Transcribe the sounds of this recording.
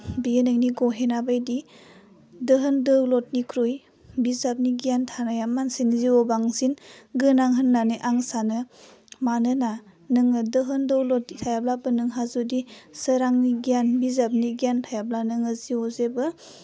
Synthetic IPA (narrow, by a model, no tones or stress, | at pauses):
bienɯŋniɡɔɦenabajdi | dəɦɯndɯwlɔt̚nikʰɾuj | bizap̚niɡiantʰanajamːansinziɔbaŋsinɡɯnaŋɦɯnːaneʔaŋsanɯ | manɯna | nɯŋɯdɯɦɯndəwlɔt̚nitʰajablabɯnɯŋɦazudisəɾaŋniɡijanbizap̚niɡijantʰajab̚lanɯŋɯziɔzebɯ